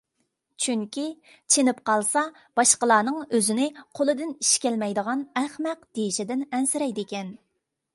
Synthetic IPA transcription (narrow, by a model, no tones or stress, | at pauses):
t͡ʃʰyŋkʲi | t͡ʃʰenɪpqʰɑlˠsɑ | b̥ɑʃqəlˠɑːnɨŋøzɪnɪqʰolˠɨd̪ɪniʃkʲɛlmɛjd̪əʁɑnɛχmæqd̪̥ejiʃɪd̪ɪnɛnsɪɾɛjd̪ɪkʲɛn